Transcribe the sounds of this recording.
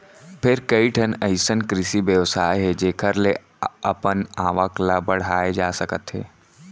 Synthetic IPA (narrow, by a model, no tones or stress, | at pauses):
pʰɪɾkɐiʈʰənəɪsənkɾɪsibjəʋsaːeɦɛd͡ʒeːkʰəɾle | ɐpənaːʋəklabɐɽ̤aːed͡ʒaːsəkət̪ɦḛː